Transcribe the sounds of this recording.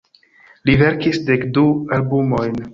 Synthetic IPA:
live̞ɾkisde̞kdualbumo̞jn

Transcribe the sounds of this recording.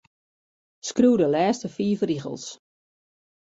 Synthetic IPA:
skruːdəlɛːstəfiːfriɣə̰lˠs

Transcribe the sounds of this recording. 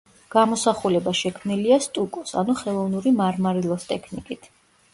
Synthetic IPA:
ɡ̥amɔsaχulɛbaʃɛkʰmniliast̪ʼukʼɔsa̰nuχɛlˠɔvnuɾimaɾmaɾilˠɔst̪ʼɛkʰnikʼit̪ʰ

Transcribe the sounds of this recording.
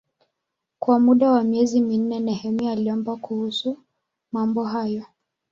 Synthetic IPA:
kwamuɗawamiɛzimin̩nɛnɛhɛmialiɔmbakuhusu | mambɔɦajɔ

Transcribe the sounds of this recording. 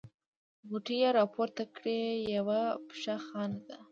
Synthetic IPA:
ɣuʈijaɾɑpoɾt̪akɽejawapʂaxɑnad̪a

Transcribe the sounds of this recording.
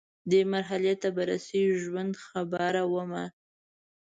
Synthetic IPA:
d̪əmaɾɦalet̪ːabaɾasewʒwand̪xabaɾawəma

